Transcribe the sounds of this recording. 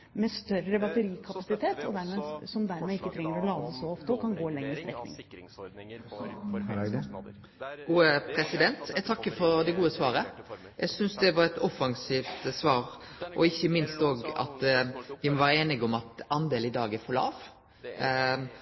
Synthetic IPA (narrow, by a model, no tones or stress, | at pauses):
mɛst̪œɾəbɑt̪əɾiːkʰɑpɑsɪt̪ʰeːt̪ɔd̪æɾmeːsɔmd̪æɾmeːɪkːət̪ʰɾɛŋːəɾɔlɑːd̪əsɔɔft̪əɔkʰɑnɡoːlɛŋːɾəst̪ɾɛknɪ̰ŋ | ɡuːəpʰɾɛsɪd̪ɛnt̪jæt̪ʰɑkːəfɔɾd̪ɛɡuːəsʋɑːɾə | jʔæɪsʏnsd̪ɛʋɑɾɛt̪ɔfːɑŋsiːft̪sʋɑːɾʔɔɪçːəmɪnst̪oːɡɑ̰t̪ʋɪmɔʋæːɾəeːnɪɡɔmɑt̪ɑnd̪eːlɪd̪ɑːɡəɾfɔlɑ̰ːʋ